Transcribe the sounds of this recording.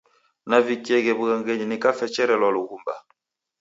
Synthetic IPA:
navikiɛɣɛbuɣaŋɡɛɲinikafɛt͡ʃɛɾɛlwaluɣumba̰

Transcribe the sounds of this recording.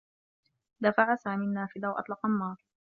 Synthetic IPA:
d̪afaʕasaːmiːnːaːfɪd̪awʔɑ̰t̪ˤlɑqɑnːɑːɾˤ

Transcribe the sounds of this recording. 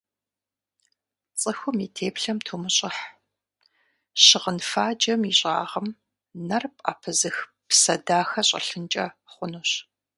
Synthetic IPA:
t͡sʼəxʷʊmitʰeːpɬɐmtʰuːmɨɕʼɪħ | ɕɪʁənfaːd͡ʒɐmiɕʼa̰ːʁɐm | nɐrpʼa̰ːpʰɨzɨx | psɐdaːxɐɕʼɐ̰ɬɨnt͡ʃʼɐ | χʷʊnuːɕ

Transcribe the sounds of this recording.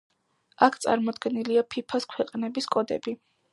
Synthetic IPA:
akʰt̪sʼa̰ɾmɔd̪ɡɛniliapʰipʰaskʰwɛqʼnɛbiskʼɔd̪ɛ̰bi

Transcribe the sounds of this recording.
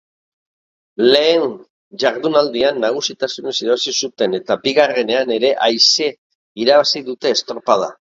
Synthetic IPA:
le̞ːn | ʝaɾðunald̪ianːaɣ̞usit̪asunesiðaβasisut̪e̞ne̞t̪abiɣare̞ne̞ane̞ɾe̞ʔajse̞ | iɾaβasiðut̪e̞ːst̪ɾopaða

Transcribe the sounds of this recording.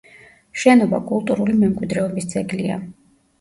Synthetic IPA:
ʃɛnɔba̰kʼulˠt̪ʼuɾulimɛmkʼwid̪ɾɛɔbisd̪z̥ɛɡlia̰

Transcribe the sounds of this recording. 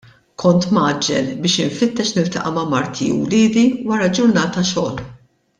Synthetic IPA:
kʰɔnt̪mɐːd͡ʒːɛlbɪːʃɪɱfɪt̪ːɛʃnɪlt̪ɐʔɐmɐmɐɾt̪ʰḭṵwlɪːd̪iwɐɾɐd͡ʒʊɾnɐːt̪ɐʃɔːl

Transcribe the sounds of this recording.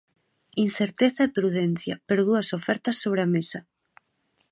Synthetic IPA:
inθeɾt̪eθaepɾuðɛn̟θjɐpeɾoðuɐsofɛɾt̪ɐsːoβ̞ɾeamesɐ

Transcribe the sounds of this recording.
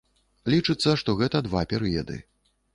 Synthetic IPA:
lʲit͡ʂɨt̪sːɐʂt̪ɔɣɛt̪ɐd̪vapʲɛɾɨjɐd̪ɨ̰

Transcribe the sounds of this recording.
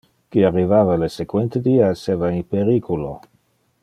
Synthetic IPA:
kiarivaːvalesekwent̪ed̪iːaesevainpeɾiːkulo

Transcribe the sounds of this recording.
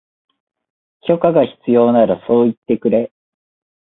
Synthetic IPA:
kʲo̞kaɡaçi̥t͡sɨjo̞ːnaɾaso̞ːit̪ːe̞kɯ̟ɾe̞

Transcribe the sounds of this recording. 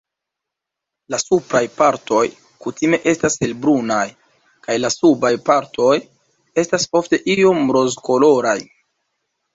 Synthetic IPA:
lasupɾajpaɾto̞j | kutime̞ʔe̞stase̞lbɾunaj | kajlasubajpaɾto̞j | e̞staso̞fte̞ʔio̞mɾo̞zko̞lo̞ɾaj

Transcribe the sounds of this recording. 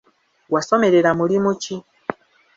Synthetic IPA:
wasɔmɛɾɛlamulimut͡ʃi

